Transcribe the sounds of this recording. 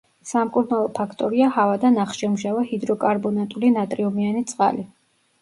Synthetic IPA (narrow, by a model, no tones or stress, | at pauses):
samkʼuɾnalˠɔpʰakʰt̪ʼɔɾiahavad̪anaχʃɛmʒavahid̪ɾɔkʼaɾbɔnat̪ʼulinat̪ʼɾiɔmianit̪sʼqʼa̰li